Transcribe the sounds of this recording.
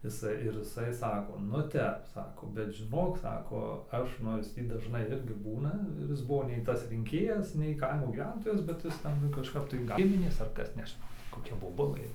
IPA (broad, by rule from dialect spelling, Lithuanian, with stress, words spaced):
ɪˈsɐɪ ɪr ɪˈsɐɪ ˈsɑːkoː nʊ ˈtʲɛp ˈsɑːkoː bʲɛt ʒʲɪˈnoːk ˈsɑːkoː ˈɐʃ noːrs ˈtʲiː dɐʒˈnɐɪ ˈɪrʲɡʲɪ ˈbuːnɐ ɪr ˈɪs ˈbʊʋoː nʲɛɪ ˈtɐs rʲɪŋʲˈkʲeːjɛs nʲɛɪ ˈkɐɪmoː ɡʲiːˈʋʲɛntoːjɛs ˈbʲɛt ˈjɪs ˈtʲɛn kɐʃˈkɐp tɐɪ ˈɡʲɪmʲɪnʲeːs ɐr ˈkɐs nʲɛʒʲɪˈnɐʊ ˈtʲiː koːˈkʲɛ boːˈbʊlˠɘ